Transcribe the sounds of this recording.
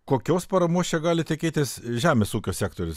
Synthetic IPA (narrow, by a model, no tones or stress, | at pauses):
koːkʲoːspɐɾɐmoːst͡ʃʲɛɡɑːlʲɪt̪ʲɪkʲeːt̪ʲɪsʒʲæːmʲeːsuːkʲoːsʲæːkt̪oːɾʲʊs